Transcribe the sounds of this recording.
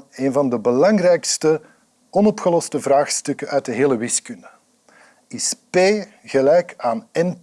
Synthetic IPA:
eːnvɑndəbəlɑŋrɛjkstə | ɔnɔpxəlɔstəvraːxstʏkənʔœɥt̚dəɦeːləβɪskʏndə | ɪspeː | ɣəlɛjkaːnɛn

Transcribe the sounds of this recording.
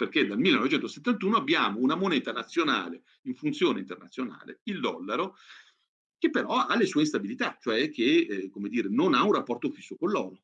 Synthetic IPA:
perked̪almilːenɔvet͡ʃɛnt̪oset̪ːant̪uːnoabːjaːmounamonɛːt̪anat̪sːjona̰ːle | iɱfunt̪sjoːneint̪ernat̪sːjona̰ːlḛild̪ɔlːaɾo | k̟epːeɾɔalːesuːeinst̪abilit̪at͡ʃoɛk̟ʰːekomed̪iːɾenonaunrapːɔrt̪ofisːokonlɔːɾo

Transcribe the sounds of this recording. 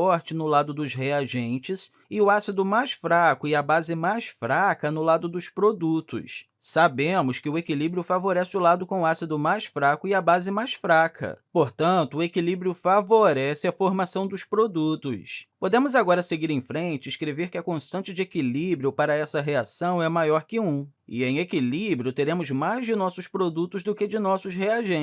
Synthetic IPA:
ɔɾt͡ʃɪnʊlad̪ʊd̪ʊsheaʒẽnt͡ʃɪs | ɪʊasid̪ʊmajsfɾakʊɪɐbazɪmajsfɾakɐnʊlad̪ʊd̪ʊspɾod̪ut̪ʊ̰s | sabẽmʊskɪʊekilibɾijʊfavoɾɛsɪʊlad̪ʊkõʊasid̪ʊmajsfɾakʊɪɐbazɪmajsfɾakʰɐ̰poɾt̪ɐ̃t̪ʊːekilibɾjʊfavoɾɛsɪɐfoɾmasɐ̃w̃d̪ʊspɾod̪ut̪ʊsspod̪ẽmʊzaɡɔɾɐseɡiɾẽj̃fɾẽnt͡ʃɪːʃkɾeveɾkɪɐkõst̪ɐ̃nt͡ʃɪd͡ʒɪekilibɾjʊpaɾɐɛsɐɦeasɐ̃w̃ɛmajɔɾkɪũ | ɪ̰ẽj̃ekilibɾjʊt̪eɾẽmʊzmajzd͡ʒɪnɔsʊspɾod̪ut̪ʊzd̪ʊked͡ʒɪnɔsʊsheaʒẽ

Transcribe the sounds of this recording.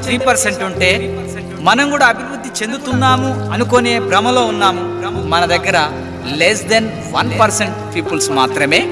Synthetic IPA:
t̪ɾiːpɐɾseɳʈuɳʈe̞ː | mɐnɐmɡuːɽaːɐbʱiɾɾud̪ːit͡ʃe̞nd̪ut̪unːaːmuɐnukone̞ːbʱɾɐmɐlo̞ːunːaːmmɐnɐd̪ɐɡːɐɾɐ | leːsd̪ɐn | ʋɐnpɐɾseɳʈpiːpulsmaːt̪ɾɐme̞ː

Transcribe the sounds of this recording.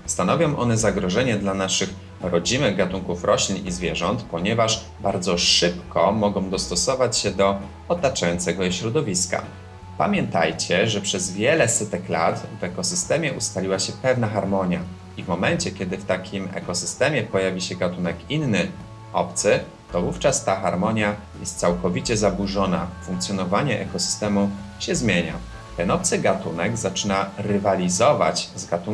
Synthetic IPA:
st̪anɔvʲjɔ̃w̃ʔɔnɛzaɡɾɔʐɛɲɛd̪lanaʂɘx | ɾɔd͡ʑimɘɣɡat̪uŋkufɾʔɔɕlʲiɲizvʲjɛʐɔnt̪pɔɲɛvaʂ | baɾd̪zɔʂɘpkɔmɔɡɔ̃w̃d̪ɔst̪ɔsɔvat͡ɕɕɛd̪ɔ | ɔt̪at͡ʂajɔnt̪sɛɡɔjɛɕɾɔd̪ɔvʲiska̰ | pa̰mʲjɛnt̪a̰jt͡ɕɛʐɛpʂɛzvʲjɛlɛsɛt̪ɛkla̰t̪vɛkɔsɘst̪ɛmʲjɛʔust̪alʲiwaɕɛpɛvnaxaɾmɔɲja | ivmɔmɛnt͡ɕɛkʲɛd̪ɘft̪akʲʰimɛ̰kɔsɘst̪ɛmʲjɛpɔjavʲiɕɛɡat̪unɛkinːɘ | ʔɔpt̪sɘ | t̪ɔvuft͡ʂast̪axaɾmɔɲja | jɛst̪sawkɔvʲit͡ɕɛzabuʐɔna̰fũŋkt̪sʲjɔnɔvaɲɛʔɛkɔsɨ̥st̪ɛmu | ɕɛzmʲjeɲa̰ | t̪ɛnɔpt̪sɘɡat̪unɛɡzat͡ʂɘnaɾɘvalʲizɔva̰t͡ɕzɡat̪u

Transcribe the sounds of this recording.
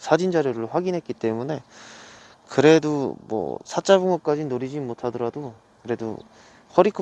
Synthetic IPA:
sʰad͡ʑind͡ʑaɾjoɾɯɭɸwaɡinɦet̚k͈it͈e̞mune̞ | kɯɾe̞domwʌ̰sʰat͡ɕ͈abuŋɡʌk͈ad͡ʑinoɾid͡ʑimotʰadʌɾado | kɯɾe̞do̰ | hʰʌɾikʰ

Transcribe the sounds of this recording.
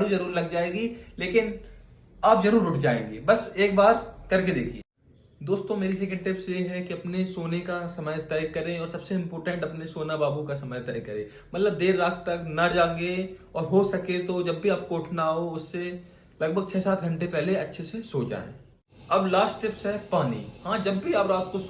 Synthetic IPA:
uzɐɾuːɾlɐɡd͡ʒaːeːɡileːkɪn | aːpzɐɾuːɾʊʈʰd͡ʒaːḛ̃ːŋɡiːbɐseːkbaːɾkɐɾked̪ḛːkʰieː | d̪oːst̪õmeːɾisɛːkə̃ɳɖʈɪpsjeɦɛkiɐpnesoːnekasɐməjt̪ɛːkɐɾẽɔːɾsɐbseɪ̃mpoːɾʈə̃ɳʈɐpnesoːnabaːbũkasɐməjt̪ɛːkɐɾḛ̃ː | mɐt̪ləb̚d̪eːɾːaːkʰt̪ɐknɐd͡ʒaːɡeɔːɾɦosɐket̪od͡ʒɐbːʱiaːp̚koʊʈʰnaoʊsːe | lɐɡbʱəɡ̚t͡ʃʰɛːsaːt̪̚ɡʱɐ̃ɳʈepɛɦleɐtːʃʰesesoːd͡ʒa̰ːḛ̃ː | ɐblaːsʈʈɪpsɦɛpaːnḭhãːd͡ʒɐbːʱiaːpɾaːt̪̚kos

